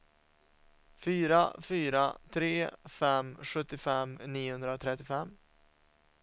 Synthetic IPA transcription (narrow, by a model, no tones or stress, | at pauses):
fyːɾa̰fyːɾat̪ʰɾeːfɛmɧɵt̪ːɪfɛmniːʊhɵnd̪ɾaot̪ʰɾɛt̪ːɪfɛmː